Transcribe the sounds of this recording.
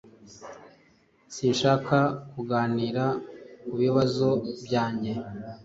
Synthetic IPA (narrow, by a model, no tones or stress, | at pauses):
sinʃaːkakuɡaːniːɾakuβiβazobjaːɲɟe̞